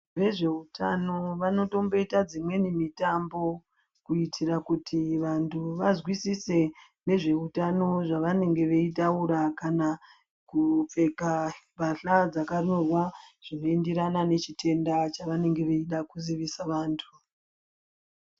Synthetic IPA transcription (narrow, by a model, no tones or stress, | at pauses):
ʋe̞ʐe̞utʰa̰no̞ʋano̞to̞mbo̞itad͡zimwe̞nimitambo̞ | kuitʰirakutʰiʋantʰuʋazwisise̞ | ne̞ʐe̞utano̞ʐaʋane̞ŋɡe̞ʋe̞itauɾakana | kup͡fe̞kabʱaɬad͡zakanorwaʐ̥inoendeɾanane̞t͡ʃitʰe̞ndat͡ʃaʋane̞ŋɡe̞ʋe̞iɗakuziʋisaʋaːntʰu